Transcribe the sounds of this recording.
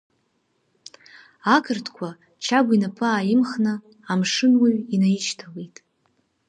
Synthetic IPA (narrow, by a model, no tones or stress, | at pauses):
akʰɨrtʰkʷʰa | t͡ʃʰaɡʷinapʰɨaːjɪmχnɨ | amʂɨnwiɥinajit͡ʃʰtʰalejtʼ